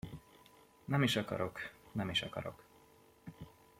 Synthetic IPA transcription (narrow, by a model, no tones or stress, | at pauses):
nɛmiʃɒkɒ̰ɾoknɛmiʃɒkɒ̰ɾo̞̰k